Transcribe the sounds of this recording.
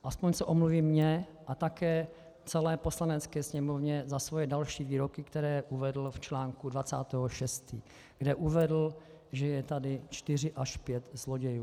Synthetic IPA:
ʔaspoɲsɛʔo̞mluviːmɲɛ | ʔat̪akɛː | t͡sɛlɛːpo̞slanɛt͡skɛːsɲɛmovɲɛzasvojɛdalʃiːviːɾo̞kɪkt̪ɛɾɛːʔuvɛdl̩ft͡ʃlaːŋkudvat͡sa̰ːt̪ɛːɦoʃɛst̪ḭː | ɡ̥dɛʔuvɛdl̩ | ʒɛjɛt̪adɪt͡ʃt̪ɪr̝ɪʔaʃpjɛt̪zlo̞ɟɛjuː

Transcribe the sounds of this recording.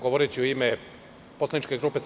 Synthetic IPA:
ɡoʋoɾet͡ɕioime | poslanit͡ʃkeɡɾuːpes

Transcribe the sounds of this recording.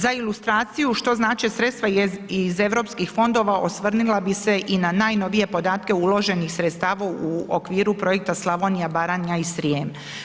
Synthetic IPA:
zailˠust̪ɾaːt̪sijuʃt̪o̞znaːt͡ʃesɾe̞t̪st̪ʋaize̞ʋɾo̞ːpskixfo̞nd̪o̞ːʋaʔo̞sʋr̩nilˠabise̞ʔinanaːjno̞ʋije̞po̞d̪aːt̪ke̞ulˠo̞ʒe̞nixsɾet̪st̪aːʋauo̰kʋiːɾupɾo̞je̞k̚t̪aslˠaʋo̞nijabaɾanjaisɾiem

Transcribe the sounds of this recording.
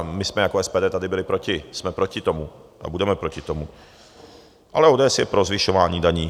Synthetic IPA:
mɪsmɛjakoɛspɛːdɛːt̪adɪbɪlɪpɾo̞cɪsmɛpɾo̞cɪt̪o̞muʔa̰budɛmɛpɾo̞cɪt̪o̞mu | ʔa̰lɛoːdɛːɛsjɛpɾo̞zvɪʃo̞vaːɲiːdaɲiː

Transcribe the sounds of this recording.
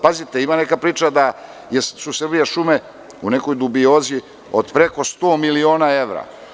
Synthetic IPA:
pazit̪e̞imane̞kapɾiːt͡ʃad̪a | jesusr̩bijaʃume̞ | une̞ko̞jd̪ubio̞ːzi | od̪pɾe̞ko̞st̪o̞ːmilio̞ːnae̞ʋɾa̰

